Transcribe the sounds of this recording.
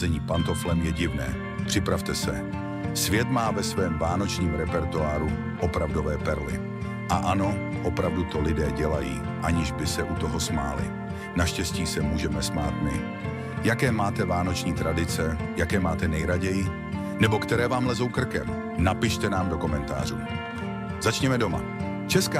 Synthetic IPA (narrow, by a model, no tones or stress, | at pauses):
zɛɲiːpant̪o̞flɛmjɛɟɪvnɛ̰ː | pr̥ɪpɾaft̪ɛsɛ | svjɛt̪maːvɛsvɛːmvaːno̞t͡ʃɲiːmɾɛpɛɾt̪uaːɾu | ʔopɾavdo̞vɛːpɛɾlɪ̰ | ʔaʔano̞ | ʔopɾavdut̪o̞lɪdɛːɟɛlajḭː | ʔaɲɪʒbɪsɛʔut̪o̞ɦo̞smaːlɪ̰ | naʃcɛsciːsɛmuːʒɛmɛsmaːt̪mɪ | jakɛːmaːt̪ɛvaːno̞t͡ʃɲiːt̪ɾadɪt͡sɛ | jakɛːmaːt̪ɛnɛjɾaɟɛjɪ | nɛbo̞kt̪ɛɾɛːvaːmlɛzo̞wkr̩kɛm | napɪʃt̪ɛnaːmdo̞komɛnt̪a̰ːr̝uː | zat͡ʃɲɛmɛdo̞ma̰ | t͡ʃɛska